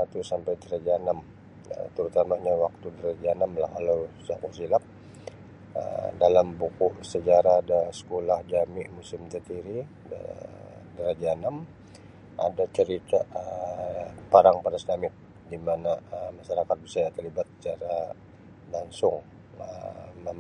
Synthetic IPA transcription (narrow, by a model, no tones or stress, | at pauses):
sat̪usampajt̪əɾad͡ʒanam | ə̰t̪əɾut̪amaɲawak̚t̪udəɾad͡ʒanamla̰hkalawsakunsilap̚ | ə̰dalambukuʔsəd͡ʒaɾaːdasə̥kolahd͡ʒamɪʔmusɪmt̪ət̪iɾḭ | dəɾad͡ʒanam | ʔa̰dat͡ʃəɾit̪aə | paɾaŋpaɾasnamɪt̪̚ | dimanaəmaʃaɾakat̪̚bisajat̪ərlibat̪̚sə̥t͡ʃaɾa | laŋsʊŋ | ə